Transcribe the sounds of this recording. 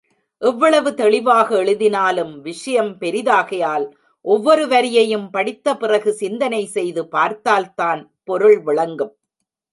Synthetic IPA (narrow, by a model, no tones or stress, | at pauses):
ʔɛʋːɐɭɐʋɯt̪ɛɭɪʋaːɣɐɛɭɯðɪnaːlɯmʋɪʂɐjɐmpɛɾɪðaːɣɐjaːl | ʔɔʋːɔɾɯʋɐɾɪjɐjɯmpɐɽɪt̪ːɐpɪrɐɣɯsɪnd̪ɐnɐɪsɛjðɯpaːɾt̪aːlt̪aːn | pɔɾɯɭʋɪɭɐŋɡɯm